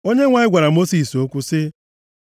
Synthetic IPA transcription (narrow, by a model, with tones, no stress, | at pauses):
o˦ɲe˦ŋʷa˨ɲɪ˦ɡʷa˨ɾa˨mo˦si˨so˦kʷu˦sɪ˦